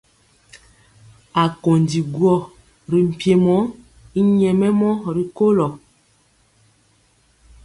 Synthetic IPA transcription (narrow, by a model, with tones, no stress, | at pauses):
a˨ko˨ndi˨ɡwɔ˦˨ | ɾi˨m̩˨pje˦mɔ˨˦ | i˦ɲɛ˨mɛ˦mɔ˦ɾi˨ko˦lɔ˨